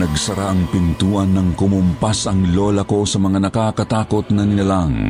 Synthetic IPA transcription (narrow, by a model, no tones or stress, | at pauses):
nɐɡsɐɾaʔɐŋpɪnt̪uːʔɐnːɐŋkʊmʊmpasɐŋloːlɐko̞sɐmɐŋanɐkakɐt̪aːkot̪nɐnɪnɐlaŋ